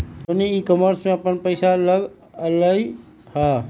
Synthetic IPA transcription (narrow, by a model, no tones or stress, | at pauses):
oniikɔməɾsmẽəpənpəɪsaləɡ | ələ | ha